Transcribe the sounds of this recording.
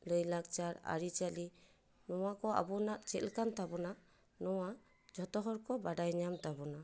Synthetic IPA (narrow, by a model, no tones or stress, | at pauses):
ləjlak̚t͡ʃaɾa̰ɾit͡ʃali | nɔwakɔa̰bɔnaʔt͡ʃɛlkant̪abɔna | nɔwa | d͡ʒʱɔt̪ɔɦɔɾkɔbaɖajɲamt̪abɔna